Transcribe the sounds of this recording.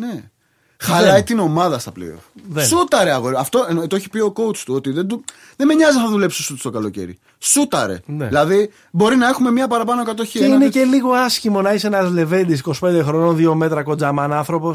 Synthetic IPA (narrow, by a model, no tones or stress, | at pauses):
ne | xɐlɐit̪ino̞mɐðɐst̪ɐplḛo̰fðesut̪ɐɾeɐɣoɾɐft̪o̞t̪ooçi̥pio̞ko̞ut͡st̪uo̞t̪iðed̪u | ðemeɲɐznɐðule̞psosut̪u̥st̪o̞kɐlo̞ce̞̰ɾḭ | sut̪ɐɾḛneilɐði | bo̞ɾinɐe̞xumemɲɐpɐɾɐpɐnokɐt̪o̞çieinece̞liɣo̞ɐscimo̞nɐiseenɐzle̞ve̞nd̪isiko̞si̥pe̞nd̪e̞xɾo̞nonðio̞me̞t̪ɾɐko̞d͡zɐmɐnɐnθɾo̞po̞s